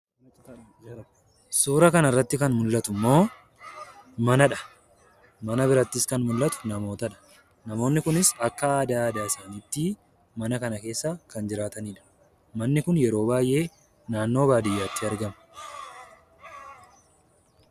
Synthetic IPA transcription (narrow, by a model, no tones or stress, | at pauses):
suːɾɐkɐnɐrːɐt̪ːɪkɐnmʊlːɐt̪ʊmːo̞ː | mɐnɐᶑɐ̥ | mɐnɐbɪɾɐt̪ːɪskɐnmʊlːɐt̪ʊ̥nɐmo̞ːt̪ɐᶑɐ̥ | nɐmo̞ːnːɪkʊnɪsɐkːɐaːd̪aːd̪aːɪsaːniːt̪ːɪ | mɐnɐkɐnɐke̞ːsːakɐnd͡ʒɪɾaːt̪ɐniːᶑɐ̥ | mɐnːɪkʊnjɛɾo̞ːbaːjʔe̞ː | naːnːo̞ːbaːd̪ɪjːaːt̪ːɪɐɾɡɐmɐ̥